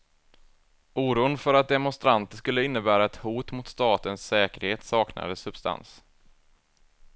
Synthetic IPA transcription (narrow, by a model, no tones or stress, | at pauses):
ʔuːɾuːənfœɾat̪̚d̪ɛmʊnst̪ɾant̪əʂkɵlːəɪnːəbæːɾaɛt̪huːt̪mʊt̪st̪ɑːt̪ənsːɛːkəɾheːt̪sɑːkna̰d̪əsɵb̥st̪a̰ns